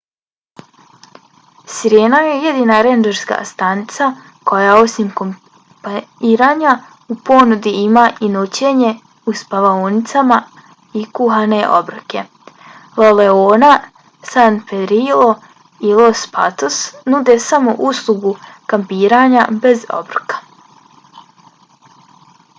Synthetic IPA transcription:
siɾjeːnajeje̞d̪iːnaɾend͡ʒeɾska̰ːst̪anit̪sa | ko̞jao̞simkom | paiːɾaːɲa | upo̞nud̪iimaːʔinot͡ɕe̞ɲe̞ | uspaʋaonit̪sama | ikuɦane̞ʔo̞̰bɾɨke̞ | loleoːna | sanfed̪ɾilo | ilˠospa̰t̪osnud̪e̞samo̞ʔuslˠuɡukampiːɾaːɲabe̞zo̞̰bɾɨkḁ

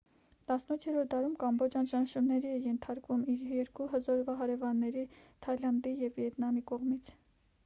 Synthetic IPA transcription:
t̪ɑsnut̪ʰjɛɾɔɾt̪̚d̪ɑɾumkɑmbɔt͡ʃʰɑnʃɑnʃumnɛɾiɛjɛnt̪ʰɑɾkvumiɾjɛɾkuɦəzɔɾvɑɦɑɾɛvɑnːɛɾit̪ʰɑjlɑnd̪ijɛvvjɛt̪nɑmikɔʁmit͡sʰ

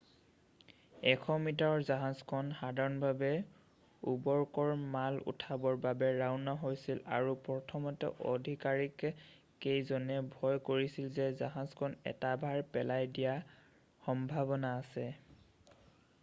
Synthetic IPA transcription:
ɛkʰɔmitaɹɔzaɦazkʰɔnxadʱaɹɔnbʱabɛ | ubɔɹkɔɹmalṵtʰabɔɹbabɛɹaʊnaɦojsila̰ɹupɔtʰɔmɔtɛ̰ʔo̰dʱikaɹik | kːejzɔnɛbʱɔjkoɹisilzɛzaɦazkʰɔnɛ̰tabʱaɹpɛlajdija | xɔmbʱabɔnaːsɛ

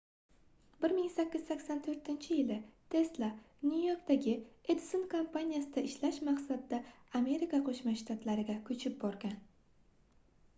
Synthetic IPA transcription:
bɪɾmɪŋsakʲːɪz̥sakʲsant̪ʰɵɾt̪ɪnt͡ʃʰɪjɪlɪt̪ʰe̞slˠa | nujo̞ɾk̚t̪aɡʲɪed̪sonkʰompʰanʲijasɪd̪aɪʃlaʃmaqsad̪ːaːme̞ɾikaqʰoʃmaʃt̪ʰat̪laɾɪɡʲakʰɵt͡ʃʰɪp̚bɒɾɡʲan

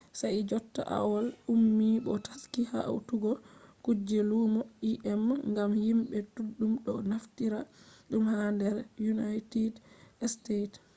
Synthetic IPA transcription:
sajd͡ʒɔtːa̰ʔa̰walumːiɓɔtḁskiha̰wtuɡɔkud͡ʒɛlumoʔiʔɛmŋɡamhimɓɛtuɗːumɗɔnaftiɾaɗumhandɛɾjunajtidstet

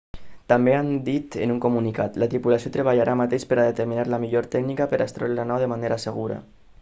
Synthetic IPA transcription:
t̪ambeand̪it̪ənuŋkumunikat̪lat̪ɾipulasjot̪ɾəβ̞aʎaɾʔamat̪eʃpəɾaðet̪əɾminaɾlamiʎoɾt̪ɛknikapəɾʔast̪ɾollanawðəmaneɾasəɣ̞uɾa̰

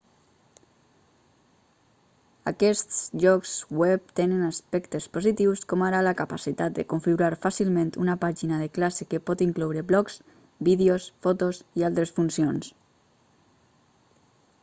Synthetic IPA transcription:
a̰kɛst̪sʒɔkswɛp̚t̪enənaspɛkt̪espozit̪iwskɔmaɾalakapasit̪at̪̚d̪əkoɱfiɣuɾaɾfasilˠmẽnt̪unapaʒinaðeklasekepɔt̪iŋklɔwɾeblɔks | biðeosfɔt̪osialˠt̪ɾesfunsions

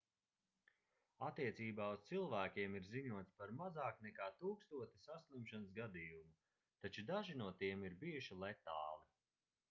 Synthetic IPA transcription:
at̪ːiɛt̪siːbaːust̪silˠvæːkʲiɛmiɾziɲuɔt̪spaɾmazaːknɛkaːt̪uːkst̪uɔt̪i̥saslˠimʃanəsɡad̪ijumu | t̪at͡ʃud̪aʒinuɔt̪iɛmiɾbijuʃilˠajt̪aːli

